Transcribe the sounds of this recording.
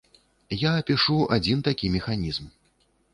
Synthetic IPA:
jaɐpʲiʂuad͡zʲint̪akʲimʲɛxanʲizm

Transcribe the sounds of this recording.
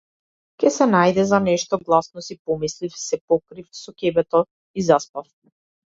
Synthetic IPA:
kʲɛsɛnajd̪ɛzanɛʃt̪ɔɡlˠasnɔsipɔmislifsɛpɔkɾifsɔkʲɛbɛt̪ɔ | izaspaf

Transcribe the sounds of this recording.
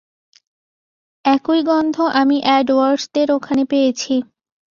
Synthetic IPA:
ɛkojɡɔnd̪ʱoʔamiʔɛɖwaɾst̪eɾokʰanepejet͡ɕʰi

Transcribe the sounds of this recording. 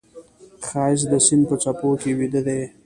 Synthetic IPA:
xɑjɪs̬d̪əsinpət͡ʃapokewid̪əd̪e

